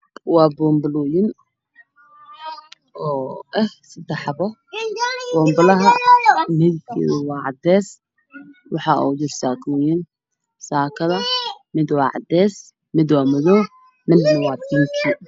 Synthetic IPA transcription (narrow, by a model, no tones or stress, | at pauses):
wɑːbɔːmbluːjɪn | ʔɔːʔɛhsɐd̪ɛħɑbɔ | bɔːmbɐlɐɦɐmɪðɪkʰɛ̰ːðɪwɑːʕɑ̰d̪ɛːs | wɑħɑʔṵwd͡ʒɪrsaːkʰujɪn | saːkʰɐðɐmɪd̪wɑːʕɑ̰d̪ɛːs | mɪd̪wɑːmɐðɔː | mɪd̪nɐwɑːd̪ɪŋkʰi